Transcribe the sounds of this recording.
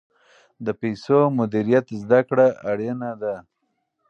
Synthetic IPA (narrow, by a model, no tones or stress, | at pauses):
d̪əpajsomʊd̪iɾijat̪zd̪akɽaːɽenad̪a